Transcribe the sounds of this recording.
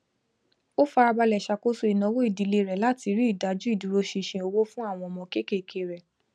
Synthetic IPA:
o˦fa˧ɾa˧ba˧lɛ˨ʃa˧˨ko˦so˦i˨nã˨˧˦wo˦i˦˨di˨˦le˧˦˨ɾɛ˨la˦ti˧ɾi˦i˦˨da˨˦d͡ʒu˦i˦˨du˨ɾo˧ʃi˧˨ʃĩ˧o˧wo˦fũ˦a˦˨w̃ɔ̃˧ɔ˨mɔ̃˧ke˦ke˦˨kʰe˧˨ɾɛ˨

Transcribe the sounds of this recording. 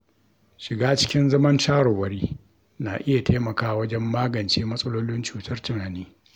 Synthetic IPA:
ʃɪ˨ɡaː˦t͡ʃɪ̥˦kʲɪ˦nzɐ˦mɐ˦ntaː˦ɽo˨wɐ˨ɽiː˦ | na̰ː˨ʔɪ˦ja˨taː˦mɐ˨kaː˦wɐ˦d͡ʒɛ˦mːaː˦ɡɐ˨nt͡ʃeː˦mɐ˦sʼɐ˦loː˦lɪ˦nt͡ʃuː˨tʰɐ˦rtʊ˨naː˨niː˦

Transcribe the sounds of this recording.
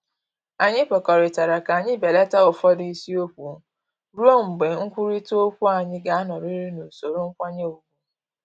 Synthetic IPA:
a˨ɲɪ˦pɔ˨kɔ˨ɾɪ˨ta˨ɾa˨ka˨ɲɪ˦be˨le˦ta˦ʊ˨fɔ˦di˦si˦o˦kʷu˨ | ɾu˦o˦m̩˨ɡ͡be˨ŋ̩˦kʷu˦ɾi˦to˦o˦kʷu˦a˨ɲɪ˦ɡa˨a˦nɔ˨ɾi˦ɾi˦no˨so˨ɾo˦ŋ̩˦kʷa˦ɲe˦o˨ɡu˦

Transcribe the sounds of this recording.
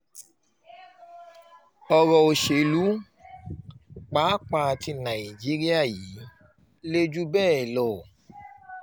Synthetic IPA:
ɔ˨ɾɔ˨o˨ʃe˨˧lu˨˦ | k͡paː˨˦k͡pã˧a˧ti˧nã˨i˨d͡ʒi˨˦ɾi˦a˦˨jiː˨˦ | le˦d͡ʒu˦bɛː˦˨ɛ˨lɔ˨

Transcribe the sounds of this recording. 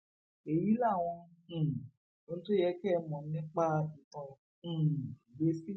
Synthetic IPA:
e˨ji˨˦la˦˨w̃ɔ̃˧˨ | o˨˧nũ˦to˦jɛ˧˦kɛ˦˧mɔ̃˨˦nĩ˦k͡pa˦˧ĩ˨tɔ̃˧˨ | be˦si˦

